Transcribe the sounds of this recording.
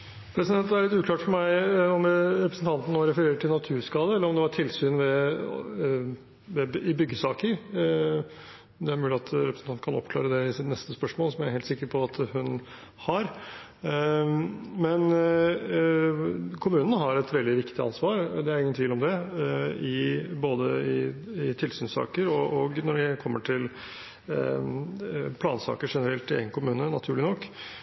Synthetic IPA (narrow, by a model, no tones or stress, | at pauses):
pʰɾɛsɪd̪ɛnt̪æɾɭɪt̪ːʉːkʰlɑːʈfɔɾmæɪɔmɾɛpɾəsn̩t̪ʰɑnt̪n̩nːoːɾɛfəɾeːɾəʈʰɪlnɑt̪ʰʉːskɑːd̪əɛlːəɾɔmd̪ɛʋɑʈʰɪlsyːnʋɛ | ʋɛɪbʏɡːəsɑːkəɾ | d̪ɛæɾmʉːlɪɑt̪ʰɾɛpɾsn̩ɑnkʰɑnɔ̰pkʰlɑ̰ːɾəd̪ɛɪsɪt̪nɛst̪əspœʂmoːlsɔmæɾheːlt̪sɪkːəɾpʰɔɑt̪hʉn | hɑɾ | mɛn | kʰʊmʉːnnəɦɑɾɛt̪ʋɛld̪ɪʋɪkt̪ɪɑ̰nsʋɑːɾd̪ɛæɾɪŋənt̪ʋiːlɔmd̪ɛ | ɪboːd̪əɪɪt̪ʰɪlsyːnsɑ̰ːkəɾɔʔɔɡnɔɖɛkʰɔmːəʈʰɪl | pʰlɑːnsɑ̰ːkəʂɛnəɾɛlt̪ːɪḛɡənkʰʊmʉːnənɑt̪ʰʉːɭɪnɔkː